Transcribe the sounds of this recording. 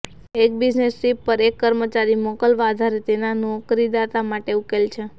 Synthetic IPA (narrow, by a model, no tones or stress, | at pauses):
ek̚bid͡ʒnesːipːəɾekːəɾmət͡ʃaɾimɔkəlʋad̪ʱaɾet̪enanokɾid̪at̪amaʈeukelt͡ʃʰe